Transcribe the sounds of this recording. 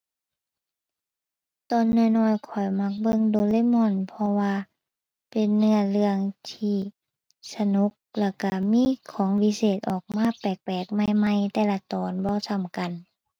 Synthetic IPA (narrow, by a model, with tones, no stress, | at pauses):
t̪ɔː˨˩nːɯ˧˨jnɔː˧˨jkʰɔ˨˩jma˧˥˩k̚bɤ˧˨ŋdoː˧˦leː˧˥˨mɔ˧˨npʰɔ˧waː˧ | pe˨nːɯ˧əlɯ˧əŋt̪ʰiː˧˩ | sa˧nu˧˦k̚la˧˩ka˧˩miː˧˥˨kʰɔː˨˦ŋwi˧˨seː˨˩t̪̚ʔɔː˨˩k̚maː˧˥˨pɛː˨˩k̚pɛː˨˩k̚ma˧˨jma˧˥˨jt̪ɛː˧˨la˧t̪ɔː˨nbɔː˧˦sʰa˧˩mka˨n